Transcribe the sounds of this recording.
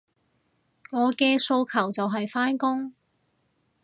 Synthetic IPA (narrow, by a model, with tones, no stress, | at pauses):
ŋɔː˨˧kɛː˧so˧wkʰɐ˨˩wt͡sɐ˨wɦɐ˨jfaː˥nkʊ˥ŋ